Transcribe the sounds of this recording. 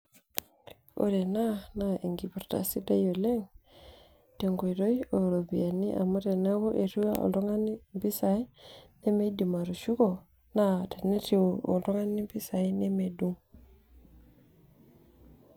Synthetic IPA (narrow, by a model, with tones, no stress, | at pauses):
o̰˨ɾe˨na˦na˦ʔi˨ŋɡi˨pu˨ɾta̰˨si˦da˦jo˨le˦ŋ | te˨ŋɡo˨jɾo˦jo˨ɾo˨bi˨ja˨ni˦ʔa̰˨ma˦te˨ne˦wo˦ʔe˨tu˦wa˦o̰˨to˦ŋa˦ni˦mbi˦sa˨i˦ne˦me˦di˨ma˨ɾu˨ʃu˦ko˨ | na˦te˨ne˦ti˦woo̰˨to˦ŋa˦ni˦bi˦sa˨i˦ne˦me˨du˦ŋ